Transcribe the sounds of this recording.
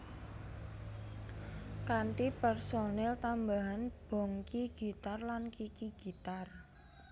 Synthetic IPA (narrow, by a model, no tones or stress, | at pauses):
kanʈipɛrsonɛlt̪ambaɦanb̥ɔ̤ŋkiɡ̥i̤t̪arlankikiɡ̥i̤t̪ar